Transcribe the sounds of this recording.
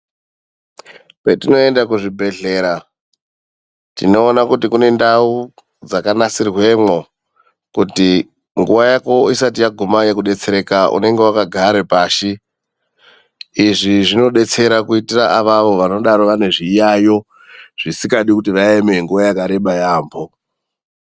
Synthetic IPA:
petino̞e̞ndakuʐibʱe̞ɮe̞ːɾa | tino̞ːnakutikune̞ndau | d͡zakanasirwe̞mwo | kuti | ŋɡuʋajako̞isatijaɡʱumaje̞kuɗe̞t͡se̞ɾe̞kaʔṵne̞ŋɡe̞wakaɡʱaɾepaːʃi | ʐiʐino̞ɗe̞t͡se̞ɾakuitiraʔaʋaʋo̞ʋano̞ɗaɾoʋane̞ʐijajo̞ | ʐ̥isikaɗikutiʋaeme̞ŋɡuʋajakaɾe̞ɓajaːmbo̞

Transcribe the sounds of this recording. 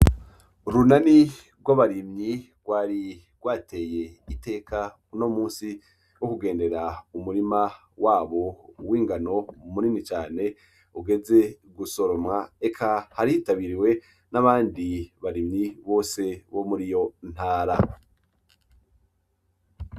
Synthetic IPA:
ɾunani | ɡwaβaɾimɲiɡ̥waːɾi | ɡ̥waːtʰe̞je̞ite̞ːkʰa | uno̞muːnsi | wokuɡe̞ːnde̞ɾaumuɾima | waːβo̞wiːŋɡano̞muninit͡ʃaːne̞ | uɡe̞ze̞ | ɡuso̞ɾo̞mŋae̞kʰahaɾiitaβiɾiwe̞ | naβaːndiβaɾimɲiβo̞ːse̞βo̞muɾijo̞n̥haːɾa

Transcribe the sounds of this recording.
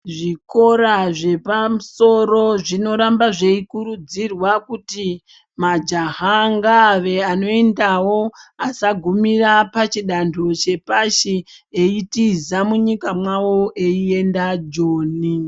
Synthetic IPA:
ʐiko̞ɾaʐe̞pamuso̞ɾo̞ʐino̞ɾambaʐe̞ikuɾud͡zirwakuti | mad͡ʒaɦaŋɡaʋe̞ano̞endawo̞asaɡʱumirapat͡ʃiɗantʰut͡ʃe̞paʃieitizamuɲikamwawo̞ʔeie̞ndad͡ʒoːni

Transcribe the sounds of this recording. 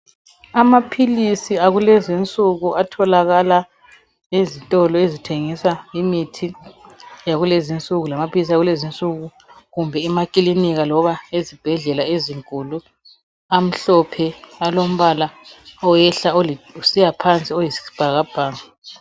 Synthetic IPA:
amapʰilisiaɣulɛzint͡sʼuɣuʔatʰɔlaɣala | ezitʼɔlɔezitʰeŋisaimitʰi | jaɣulezint͡sʼuɣulamapʰilis̬iaɣulezint͡sʼuɣu | ɣumbʱɛimakʼiliniɣalɔβaezib̥ʱɛɮɛlaeziŋkʼulu | am̩ɬɔpʰɛalom̩βalaɔjɛɬaousijapʰant͡sʼiojisi̥b̥ʱaɣab̥ʱaːŋa

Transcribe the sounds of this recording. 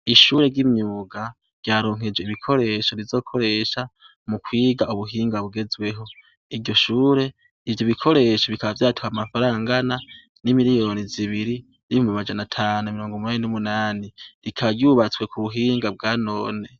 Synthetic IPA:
iʃuːɾe̞ɾɟimɲuːɡa | ɾɟ̥aːɾo̞ːŋ̥hed͡ʒweiβikʰo̞ɾe̞ʃo̞ɾizo̞ːkʰo̞ɾe̞ʃa | mukwiːɡauβuɦiːŋɡaβuɡe̞zwe̞ɦo̞ | iɾɟo̞ʃuːɾe̞ | ivjoβikʰo̞ɾe̞ʃoβikaβavjaːtu̥hamafaɾaːŋɡana | nimiɾijo̞ːniziβiɾi | niihumimad͡ʒanatʰaːnuamiɾo̞ːŋɡomunaːninumunaːniɾikʰaɾɟuːβat͡swe̞kʰuβuɦiːŋɡab̚ɡaːno̞ːne

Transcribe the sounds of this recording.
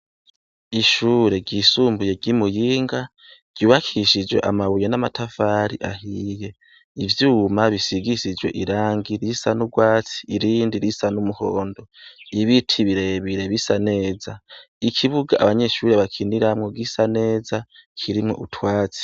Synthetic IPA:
iʃuɾe̞ɡɟisuːmbuje̞ɡimujiːŋɡa | ɟ̥uːβakʰiʃid͡ʒwe̞̰ʔamaβujenamatʰafaːɾḭʔaɦiːje̞ | ivjuːmaβisiɡisid͡ʒwe̞̰ʔiɾaːŋɡiɾisanuɡwaːt͡si̥ːɾiːndiɾisanumuhoːndoiβitʰiβiɾe̞βiɾe̞βisane̞ːza | ikʰiβuɡaʔaβaɲe̞ʃuːɾe̞βakʰiniɾamŋoɡisane̞ːzakʰiɾimŋo̞̰ʔutʰwaːt͡si̥

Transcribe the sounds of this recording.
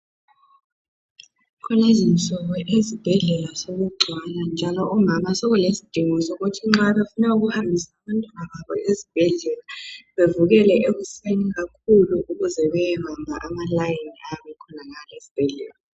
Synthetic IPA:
kʰɔlezint͡sʼɔβɔʔezib̥ʱɛɮɛlasoɣuɡ͡ǀʱwaland͡ʒʱalɔʔumamasoɣulesi̥d̥ʱiŋɔsɔɣutʰiŋ͡ǁaβefunauɣuhambʱisaβantʼwanaβaβɔʔezib̥ʱɛɮɛlaβevuɣɛlɛʔeɣuseniɣakʰuluʔuɣuzɛβɛjɛβambʱa̰ʔamalajeniaβɛkʰɔnaɣalezib̥ʱɛɮɛla

